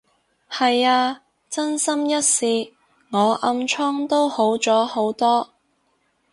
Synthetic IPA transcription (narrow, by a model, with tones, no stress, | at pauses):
hɐ˨jaː˧ | t͡sɐ˥nsɐ˥mjɐ˥t̚siː˨˧ | ŋɔː˨˧ʔɐ˧mt͡ʃʰɔ˥ŋt̪o˥who˨˥wt͡sɔː˨˥ho˨˥wt̪ɔː˥